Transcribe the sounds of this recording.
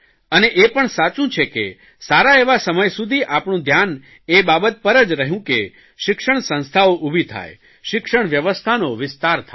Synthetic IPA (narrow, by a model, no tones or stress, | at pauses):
əneʔepəɳsat͡ʃũt͡ʃʰekḛ | saɾaeʋasəməjsud̪ʱiʔapɳũd̪ʱjan | ebabət̪̚pəɾəd͡ʒɾəɦjũke | ʃɪkʂəɳsə̃ñst̪ʰaoʔubʱit̪ʰa̰j | ʃɪkʂəɳ̃ʋjəʋəst̪ʰanoʋɪst̪aɾt̪ʰa